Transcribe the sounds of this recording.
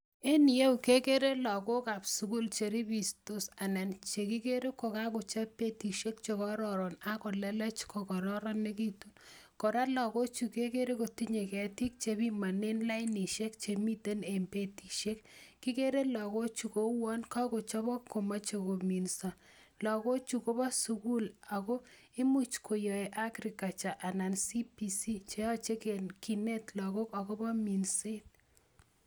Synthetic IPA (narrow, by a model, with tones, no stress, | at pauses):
e˦ni˨je˦u˨ke˦ke˦ɾe˦lɔ˨ko˦ka˨psu˨ku˦lt͡ʃe˨ɾi˦bi˨sto˦sa˨nɛ˨nt͡ʃe˨ki˦ke˦ɾe˦kːo˨ka˦ko˨t͡ʃa˦pe˦ti˨ʃe˦k̚t͡ʃe˨kɔ˦ɾɔ˨ɾɔ˨na˦kɔ˨lɛ˦lɛ˦t͡ʃko˨kɔ˨ɾɔ˦ɾɔ˦nːe˦ki˦tu˦nkɔ˨ɾa˦lɔ˨ko˦t͡ʃu˨ke˦ke˦ɾe˦ko˨ti˦ɲe˨kɛ˨ti˦k̚t͡ʃe˨bi˦ma˨ne˦nla˦jni˨ʃe˦k̚t͡ʃe˨mi˦te˦ne˨mpe˦ti˨ʃe˦kːi˦ke˦ɾe˦lɔ˨ɣo˦t͡ʃu˨ko˦wɔ˦nka˦ko˨t͡ʃɔ˦bɔ˦kːo˨ma˦t͡ʃo˨ko˨mi˨nsa˨ | lɔ˨ko˦t͡ʃu˨ko˦ba˦su˦ku˦la˨ɣo˦ | ɪ˦mu˦t͡ʃkʰo˨jɔ˨e˨ʔa˦kɾi˨ka˨t͡ʃa˨ʔa˨na˨nsi˦pi˨si˦t͡ʃe˦ɔ˦t͡ʃe˦keki˨ne˦tlɔ˨ko˦ka˨ko˦bɔ˦mi˨nse˦t̚